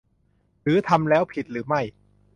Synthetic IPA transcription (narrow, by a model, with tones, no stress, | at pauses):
ɾɯː˩˦t̪ʰa˧mlɛː˦˥wpʰi˨˩t̪̚ɾɯː˩˦ma˥˩j